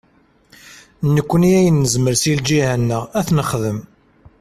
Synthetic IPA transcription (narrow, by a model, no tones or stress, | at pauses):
nəkʷːəniæjənːəzməɾsild͡ʒihænːəʁæθnəχðəm